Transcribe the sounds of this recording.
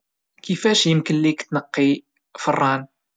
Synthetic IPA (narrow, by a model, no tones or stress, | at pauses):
kifæʃjəmkənlikt̪nəqːi | fərˤːɑn